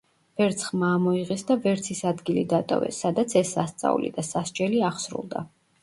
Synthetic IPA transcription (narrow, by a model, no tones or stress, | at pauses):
v̥ɛɾt̪sʰχmaːmɔiʁɛsd̪avɛɾt̪sʰisad̪ɡilid̪at̪ʼɔ̰vɛ̰sːad̪at̪sʰɛsːast̪sʼa̰ṵlḭd̪asaʃt͡ʃʼɛliaχsɾṵlˠd̪a̰